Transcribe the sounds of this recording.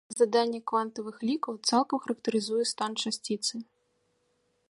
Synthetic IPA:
zad̪anʲːɐkvant̪ɐvɨxlʲikɐwt̪salˠkɐmxɐɾɐkt̪ɐɾɨzujɛst̪ant͡ʂasʲt͡sʲit̪sɨ

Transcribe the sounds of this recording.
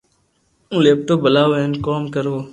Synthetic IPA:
ũːleːp̚ʈoːbəlaːʋenkoːmkəɾoː

